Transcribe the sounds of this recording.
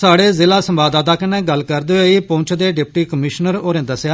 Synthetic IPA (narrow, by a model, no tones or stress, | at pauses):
saːɽeːzɪlaːsəmbaːd̪aːd̪aːkɪneːɡəlkəɾd̪eoiːpõːɲt͡ʃʰd̪eːɖɪpʈiːkəmɪʃnəɾoːɾẽːd̪əsjaː